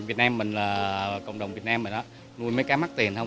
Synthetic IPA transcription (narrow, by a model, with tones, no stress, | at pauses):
vi˨˩ət̚naː˧mːï˨˩ŋ̟laː˨˩kə̰˧˨wŋ͡mɗə˨˩wŋ͡mvi˨˩ət̚naː˧mːi˨˩ŋ̟ʔaː˨˧˥ | nu˧jməː˨˦jkaː˨˦ma˦˥k̚t̪i˨˩ənhə˧wŋ͡m